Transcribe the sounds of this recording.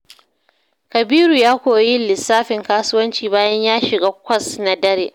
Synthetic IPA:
kɐ˨biː˦ɾu˨jaː˦kʷoː˨ji˦lɪ˨sːaː˦ɸɪ˨ŋkaː˦sʊ˦wɐ˦nt͡ʃiː˨baː˦jɐ˦ɲjaː˦ʃɪ˨ɡaː˦kʷɐ˦˨sna˦dɐ˦ɾḛː˨ʔ

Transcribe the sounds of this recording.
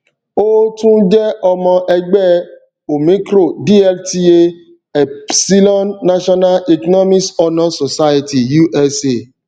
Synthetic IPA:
o˦tũ˦d͡ʒɛ˦ɔ˧mɔ̃˧ʔɛ˧ɡ͡bɛ˦˨ | o˨mĩ˨˦kɾo˦˨di˦ɛ˦lti˧e˦ | ɛ˨si˦lɔ̃˦nːa˦ʃɔ˦na˦le˨kɔ˦nɔ˦mĩ˦sɔ˧nɔ̃˨so˨sa˦je˧ti˨ju˦ʔɛ˧se˨

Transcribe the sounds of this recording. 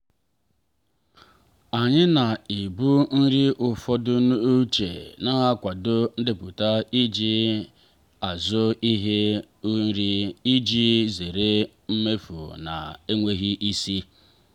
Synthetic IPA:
a˨ɲɪ˦na˨i˨bu˦n̩˦ɾi˦ʔʊ˨fɔ˦dʊ˦n˦u˦t͡ʃḛ˨na˦a˦kʷa˨dʊ˦n̩˦dɪ˦pʊ˨ta˦i˦d͡ʒi˦ | a˨zʊ˦i˦ɦe˦ | u˦n̩˦ɾi˦i˦d͡ʒi˦ze˨ɾe˦ | m̩˦me˦fṵ˨na̰˨e˦ŋʷe˦ɣi˦ʔi˦si˦

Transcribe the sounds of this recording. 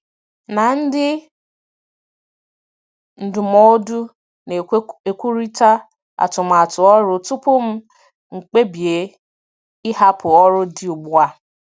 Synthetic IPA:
na˨n̩˦dɪ˦ | n̩˨dʊ˨mɔ˦du˦ | ne˨˦e˨kʷu˦ɾi˦ta˦ | a̰˨tʊ˨m̩˨a˨tʊ˨ɔ˦ɾʊ˦tʊ˦pʊ˦m̩˦ | ŋ͡m̩˨k͡pe˦bi˨e˨˦ | ɪ˦ɦa˦pʰʊ˨ɔ˦ɾʊ˦dɪ˦u˨ɡ͡bʊ˦a˦

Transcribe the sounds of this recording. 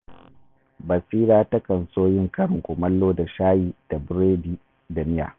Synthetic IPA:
bɐ˨siː˦ɾaː˦tɐ˦kɐ˨nsoː˦jɪ˦ŋkɐ˦ɽɪ˨ŋkʷʊ˨mɐ˦lːoː˦da˨ʃaː˦jiː˦d̥a˨bɾeː˦biː˦ | da˨mɪ˦ja̰ː˨

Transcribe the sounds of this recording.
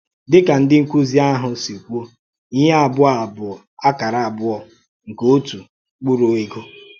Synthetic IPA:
dɪ˦ka˨n̩˦dɪ˦ŋ̩˦kʷu˦zi˦a˦ɦʊ˨si˨kʷo˦ | i˦ɲa˦a˨bʊ˦a˨bʊ˨ɔ˨a˦ka˨ɾa˨a˨bʊ˦ɔ˨ | ŋ̩˨ko˦tu˨ | k͡pu˦ɾo˨e˦ɡo˦

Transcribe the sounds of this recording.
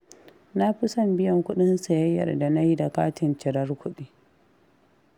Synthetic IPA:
na˦ɸɪ˦sɐ˦˨mbɪ˦jɐ˨ŋkʷʊ˦ɗɪ˦nsa˨jɐ˦jːɐ̰˨rda˨na˦ji˦da˨kaː˦tɪ˨nt͡ʃɪ˨ɾɐ˦rkʷʊ˦ɗiː˦

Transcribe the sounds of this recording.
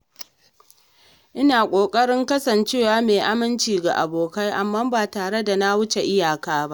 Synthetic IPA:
ʔɪ˦naː˨kʷʼoː˨kʼɐ˦ɽɪ˦ŋkɐ˦sɐ˨nt͡ʃeː˦waː˦meː˨ʔa˦mɪ˦nt͡ʃiː˨ɡa̰˨ʔa̰˨boː˨ka˦jʔa˨mːaː˦baː˨taː˨ɽe˦da˨na˦wʊ˦t͡ʃe˨ʔɪ˦jaː˨kaː˦ba˦ʔ

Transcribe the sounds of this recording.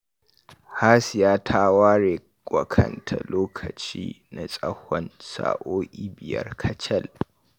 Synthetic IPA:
haː˦sɪ˨jaː˦tʰaː˦waː˦ɽeː˨ | kʷʼɐ˨kʰɐ˦˨ntʰa̰˨loː˦kʰɐ˨t͡ʃḭː˦ | na˨sʼɐ˦hɔ˦nsa̰ː˨ʔoː˦ʔʲiː˦bɪ˨jɐ̰˦rkʰɐ˦t͡ʃɐ˦˨l

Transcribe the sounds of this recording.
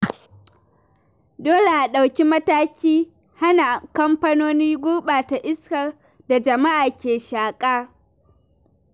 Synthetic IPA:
doː˦le˨ʔa˨ɗa˨wkʲi˦mɐ˦taː˦kʲiː˦ | ha˦na˨kɐ˦mɸɐ˦noː˦niː˦ɡʷʊː˦ɓaː˨ta˨ʔɪ˦skɐ˨r | da˨d͡ʒɐ˨ma˦ʔaː˨kʲeː˨ʃaː˨kʼaː˦

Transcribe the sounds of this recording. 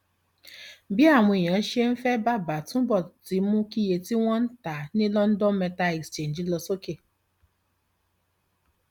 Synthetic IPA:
bi˦a˦˨ŋʷe˨ja˨˦ʃe˦m̩˦fɛ˦ba˦ba˨tu˦bɔ˨ti˨mʊ˦ki˦je˨ti˦ŋʷɔ˦n̩˦ta˨ni˦lɔ˦n̩˦dɔ˦mɛ˨ta˦e˨kst͡ʃe˨n˨d͡ʒi˦lɔ˨so˦ke˦˨

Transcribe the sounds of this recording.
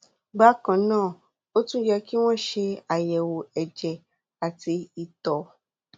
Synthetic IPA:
ɡ͡ba˦kã˨nãː˦˨ | o˦tũ˦jɛ˧ki˦w̃ɔ̃˦ʃe˧a˨jɛ˨wo˨ɛ˨d͡ʒɛ˨ | a˨ti˧i˧tɔ˨

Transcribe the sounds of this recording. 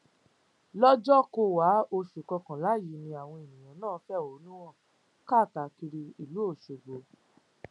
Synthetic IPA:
lɔ˦d͡ʒɔ˦ko˧wa˨˦o˧ʃu˨kɔ˧kã˨la˨˦˨ji˨˦nĩ˧a˨w̃ɔ̃˧e˨nĩ˨j̃ã˨nãː˦˨˦fɛ˦˨o˨˦nũ˦w̃ɔ̃˦˨ | ka˦˨ta˨˦ki˧ɾi˧i˨lu˨˦o˦˨ʃo˨ɡ͡bo˨˦

